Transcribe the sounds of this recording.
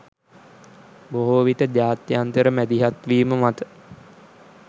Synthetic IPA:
boɦoʋit̪əd͡ʒaːt̪jant̪əɾəmæd̪iɦat̪ʋiːməmat̪ə̥

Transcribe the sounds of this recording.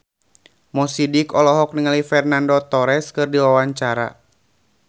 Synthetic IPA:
mɔsidikɔlɔɦɔk̚niŋalifɛrnandɔt̪ɔɾɛskɨrdiwawaɲt͡ʃaɾa̰

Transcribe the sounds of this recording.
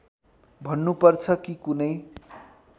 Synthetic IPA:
bʱʌnːupʌrt͡sʰʌkikunʌj

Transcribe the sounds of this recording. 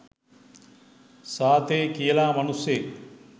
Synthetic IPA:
saːt̪ʰekiːlaːmɐnusje

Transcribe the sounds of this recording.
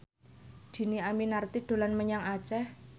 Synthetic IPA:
d̪̥i̤niaminart̪iɖ̪̥o̤lanməɲaŋat͡ʃɛh

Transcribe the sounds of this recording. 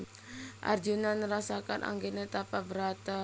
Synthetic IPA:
ʔa̰rd͡ʒunanːəɾasakanʔa̰ŋɡenet̪apabəɾat̪a

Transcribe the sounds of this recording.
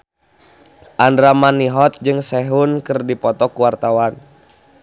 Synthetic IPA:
ʔandɾamaniɦɔt̪̚d͡ʒɨŋsɛɦunkɨrdipɔt̪ɔkuwart̪awan

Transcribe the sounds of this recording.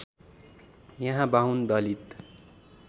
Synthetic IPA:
jʌɦãbaɦund̪ʌlit̪

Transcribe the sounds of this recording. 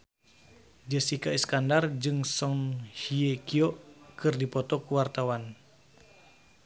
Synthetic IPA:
d͡ʒəsikaiskandard͡ʒɨŋsɔnhiekiɔʔkɨrdipɔt̪ɔkuwart̪awan

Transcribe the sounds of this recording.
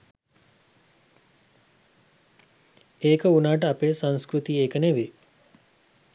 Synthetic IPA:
eːkəunaːʈ̬əɐpeːsɐ̃nskɾut̪iːeːkəneʋe

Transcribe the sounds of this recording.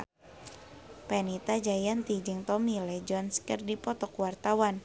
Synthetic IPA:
pɛnit̪ad͡ʒajant̪id͡ʒɨŋt̪ɔmilɛd͡ʒɔnskərdipɔt̪ɔkwart̪awan

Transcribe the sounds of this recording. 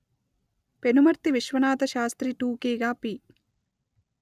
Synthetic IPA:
penumɐɾt̪iʋiʃʋɐnaːt̪ɐʃaːst̪ɾiʈuːkeːɡaːpi

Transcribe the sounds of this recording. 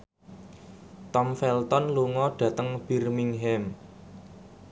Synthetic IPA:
t̪ɔmfɛlt̪ɔnluŋɔɖ̥ä̤t̪əŋb̥irmiŋɦɛm

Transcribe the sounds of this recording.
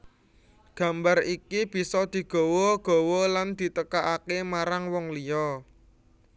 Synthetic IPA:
ɡ̥ä̤mbarikib̥i̤sɔd̪̥i̤ɡ̥o̤wɔɡ̥ɔ̤wɔland̪̥i̤t̪əkaʔakemaɾaŋwɔŋlijɔ

